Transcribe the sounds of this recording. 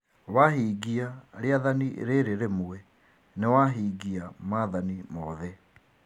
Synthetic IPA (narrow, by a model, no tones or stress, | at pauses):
waɦiːɡiaɾeaðaniḛɾeɾeɾemuɛ | newaɦiːɡiamaðanimɔðɛ